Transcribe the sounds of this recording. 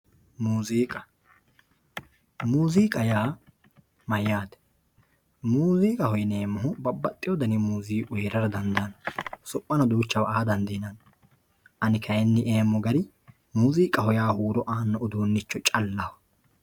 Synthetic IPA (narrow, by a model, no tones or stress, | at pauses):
muːziːkʼɐ | muːziːkʼɐjaː | mɐjːaːd̪ɛ̥ | muːziːkʼɐhɔjɪneːmːɔɦʊbɐbːɐt̪ʼːɪjɔd̪ɐnɪmuːziːʔʊjɾɐɾɐd̪ɐnd̪ɐnsɔpʼːɐnɐd̪uːt͡ʃːɐwɐʔaːd̪ɐnd̪inɐn | ʔɐnɪkʰɐjɛnːɪʔeːmːɔɡɐɾɪ | muːziːkʼɐhɔjaːhuːɾɔʔaːnːɔʊd̪uːnːɪt͡ʃːɔt͡ʃʼɐlːɐhɔ̥